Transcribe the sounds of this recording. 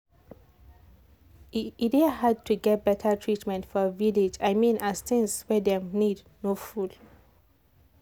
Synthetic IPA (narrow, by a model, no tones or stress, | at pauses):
idehad̚tʰuɡɛt̚bɛtʰətʰɹitmɛ̃ntfɔəviled͡ʒaɪmĩnast̪ɪ̃ŋswɛdɛ̃mnid | noful